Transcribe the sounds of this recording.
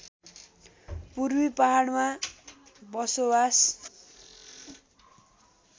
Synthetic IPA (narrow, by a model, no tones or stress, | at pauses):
purbipaɦaɽma | bʌsobas